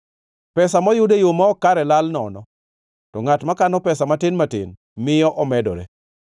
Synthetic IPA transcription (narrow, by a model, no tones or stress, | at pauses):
pɛsamɔjʊdejomɔɔkaɾɛlalnɔ̰nɔ | tɔŋatmakanɔpɛsamatɪnmatɪ̰n | mɪjɔʔɔmɛdɔ̰ɾḛ